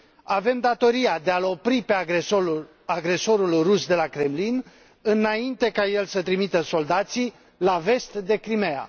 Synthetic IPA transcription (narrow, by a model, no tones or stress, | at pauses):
ave̞md̪at̪o̞ɾiad̪e̞alo̞pɾipe̞ | aɡɾe̞so̞ɾulrusd̪e̞lakɾe̞mlin | ɨnaint̪e̞kaje̞lsət̪ɾimit̪əso̞ld̪at̪si | lave̞st̪d̪e̞kɾimea̰